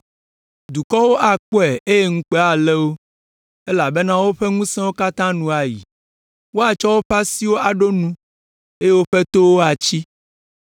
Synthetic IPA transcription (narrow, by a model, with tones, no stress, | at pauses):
d̪u˨kɔ˦wo˦ʔa˦˨k͡pɔ˦ɛ˨ʔe˦je˦ŋũ˦k͡pe˦a˨le˦wo˦ | e˦la˨be˦nã˦wo˦ɸɛ˦ŋũ˦sɛ̃˦wo˦ka˦t̪ã˦nũ˦a˨ji˨ | wo˦a˨t͡ʃɔ˦wo˦ɸa˦si˦wo˦a˨ɖo˦nũ˦ | e˦je˦wo˦ɸɛ˦t̪o˦wo˦a˨t͡ɕi˦